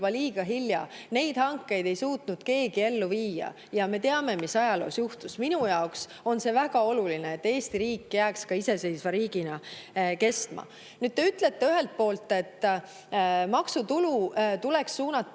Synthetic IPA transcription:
bɑliːɡ̥ɑɦiljɑne̞jd̪̥hɑŋkːe̞jd̪e̞jsuːt̪nud̪̥ke̞ːɡ̥ie̞lːuviːjɑ̰ | jɑme̞t̪eɑme̞misɑjɑlo̞̰ːsjuht̪usminujɑoks | o̞nse̞væɡ̥ɑo̞lulineet̪ːe̞ːst̪iɾiːkːjæːkskɑise̞se̞jsvɑɾiːɡ̥inɑke̞st̪mɑ̰ | nyːd̪̥̚t̪ːe̞yt̪ːle̞t̪ːe̞yɦe̞lt̪̚po̞ːlt̪ːˑe̞t̪ː | mɑksut̪ulut̪uleksːuːnɑt̪ː

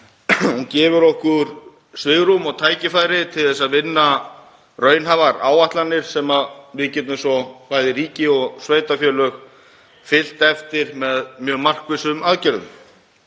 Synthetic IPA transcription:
huncɛːvʏɾɔhkʏɾ̥ | svɪɣɾumɔɣt̪ʰaːjcɪfaːjɾɪt̪ʰɪlθɛsːaðvɪnːa | rœːɥnɦavaɾa̰ːwaht̪lanːɪɾ̥sɛmaðvɪðcɛt̪nʏmsɔpaːjðɪɾiːcɪɔɣsveːjt̪afjœːlœx | fɪl̥t̪ɛft̪ɪɾmɛðmjœːmar̥kvɪsʏmaðcɛɾðʏ̰m

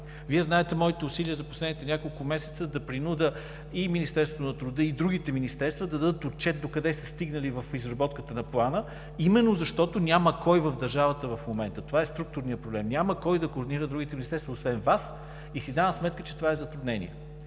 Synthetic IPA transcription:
viɛznaɛt̪ɛmɔit̪ɛusiliəzɐposlɛd̪nit̪ɛnʲjakolˠkʊmɛsɛ̥t̪səd̪ɐpɾinud̪ə | iminist̪ɛɾsvot̪ʊnɐt̪ɾud̪ɤid̪ɾuɡ̟it̪ɛminist̪ɛɾst̪vəd̪ɐd̪ɐd̪ət̪ot̪̚t͡ʃɛt̪̚d̪okɐd̪ɛsɛst̪iɡnəlivəfizɾɐbɔt̪kət̪ənɐplˠanə | imɛnːozɐʃt̪ɔt̪onʲaməkɔjvəvd̪ɐɾʒavət̪əvɐfmomɛnt̪ət̪ovaɛst̪ɾuk̚t̪ʊɾnijəpɾoblɛmnʲaməkɔjd̪ɐkoːɾd̪iniɾəd̪d̪ɾuɡit̪ɛminist̪ɛɾst̪vɐosvɛnvas | isid̪anəsmɛt̪̚kət͡ʃɛ̥t̪ovaɛzɐt̪ɾud̪nɛnʲḭɛ̰

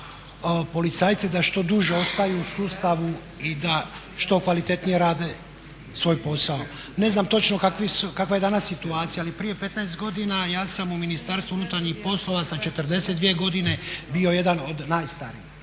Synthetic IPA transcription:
po̞lit̪saːjt̪sid̪aʃt̪o̞d̪uʒeo̞st̪ajuusuːst̪aʋu | id̪a | ʃt̪o̞kʋalit̪e̞t̪nije̞ɾaːd̪e̞ | sʋo̞ːjpo̞sao̞ | ne̞znaːmt̪o̞t͡ʃno̞kakʋisukakʋajed̪anasːit̪uaːt̪sijaːlipɾije̞pe̞t̪naest̪ɡo̞d̪inajaːsamuminist̪aɾst̪ʋuunut̪aɾɲixpo̞slˠo̞ʋasat͡ʃe̞t̪ərd̪e̞sed̪ʋijeɡo̞d̪ine̞bio̞je̞d̪ano̞d̪naːjst̪aɾḭːx

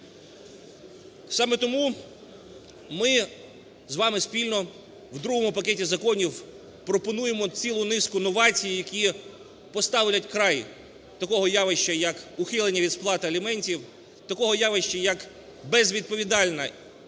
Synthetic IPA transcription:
sɑmet̪ɔmu | mɪ | zʋɑmɪspʲilʲnɔ | wd̪ɾuɦɔmʊpɐketʲizɐkɔnʲiw | pɾɔpɔnujemɔt͡sʲilˠʊnɪskʊnɔʋɑt͡sʲijijɐkʲi | pɔst̪ɑwlʲɐtʲkɾɑj | t̪ɐkɔɦɔjɑʋɪʃt͡ʃɐjɐkʊxɪlˠenʲːɐʋʲid̪splˠɑt̪ɪɐlʲimɛnʲtʲiw | t̪ɐkɔɦɔjɑʋɪʃt͡ʃɐjɐk | bɛzʋʲid̪̚pɔʋʲid̪ɑlʲnɐ

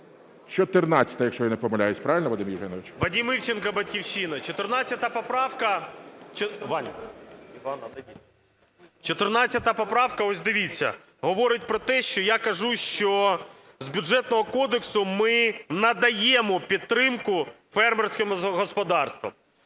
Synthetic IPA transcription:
t͡ʃɔt̪ɪrnɑt͡sʲːɐ̥t̪ɐjɐkʃt͡ʃɔjanɛpɔmɐlʲajʊsʲpɾɑʋɪlʲnɐʋɐd̪ɪmjɪwɦɛnɔʋʲɪt͡ʃʋɐdʲimiwt͡ʃenkɐbɐtʲkʲiwʃinɐt͡ʃɔt̪ɪrnɑt͡sʲːɐt̪ɐpɔpɾɑwkɐt͡ʃʋɑnʲ | ɐ | t͡ʃɔt̪ɪrnɑt͡sʲːɐt̪ɐpɔpɾɑwkɐɔsʲd̪ɪʋʲit͡sʲːɐ̰ | ɦɔʋɔɾɪtʲpɾɔt̪ɛʃt͡ʃɔjakɐʒuʃt͡ʃɔ | zbʲuʒɛt̪nɔɦɔkɔd̪eksʊmɪnɐd̪ɐjɛmɔpʲid̪̚t̪ːɾɪmkʊ | fɛrmersʲkɪmɦɔspɔd̪ɑrst̪ʋɐ̰m

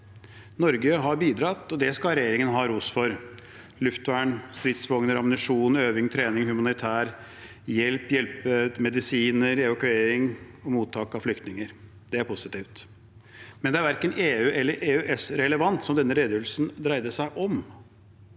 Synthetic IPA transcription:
nɔɾɡəɦɑɾbiːd̪ɾɑt̪ːɔd̪ɛskɑɾɛjeːɾɪŋənɦɑːɾuːsfɔɾ | lʉft̪ʋæɳst̪ɾɪt̪sfɔŋnəɾɑmnɪʂuːnøːʋɪŋt̪ʰɾeːnɪŋhʉmɑnɪt̪ʰæːɾ | jɛlpjɛlpəmɛd̪ɪsiːnəɾɛʋɑkʉeːɾɪŋɔmuːt̪ʰːɑːkɑflʏkt̪nɪŋəɾ | d̪̥ɛæɾpʰʊsɪt̪iːft̪ | mɛnd̪ɛæɾʋæɾkəneːʉːʔɛlːəɾʔeːʉʔɛsɾɛləʋɑnt̪sɔmd̪ɛnːəɾeːd̪jəʋlsnd̪ɾæɪd̪əʂæɪʔɔm

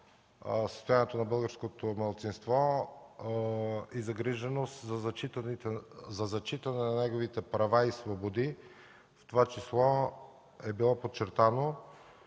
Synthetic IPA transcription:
sə̥st̪ojaniɛt̪onɐbɤlˠɡəɾskot̪omɐlˠt̪sinst̪vɔ | izɐɡɾiʒɛnost̪zɐt͡ʃit̪zɐzɐt͡ʃit̪ɐnɛnɐnɛɡovit̪ɛpɾɐvaisvobod̪i | ft̪ovat͡ʃislˠɔ | ɛbilˠɔpott͡ʃːɛɾt̪ano

